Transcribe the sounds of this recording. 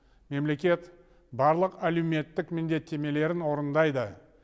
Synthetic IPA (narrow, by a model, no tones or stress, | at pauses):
me̞mle̞kʲe̞t̪ | bɑɾlˠəqælewme̞t̪ːɪkmɪnd̪e̞t̪ʰːe̞me̞le̞ɾɪnwo̞ɾənd̪ɑjd̪ə